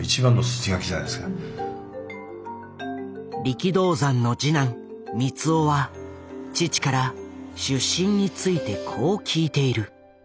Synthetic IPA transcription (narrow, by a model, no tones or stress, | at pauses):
it͡ɕibãnːo̞sɨ̥t͡ɕiɡakʲiʑana̰jd̪esɨɡa | ɾʲikʲid̪o̞ːzãnːo̞d͡ʑinãɴ | mʲit͡sɨo̞βa | t͡ɕit͡ɕi̥kaɾaɕɨɕːĩɲ̟ːit͡sɨit̪e̞kʰo̞ːkʲʰiːt̪e̞iɾɯ̟